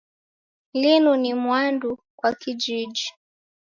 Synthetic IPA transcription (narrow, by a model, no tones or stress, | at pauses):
linunimwandu | kwakid͡ʒiʄi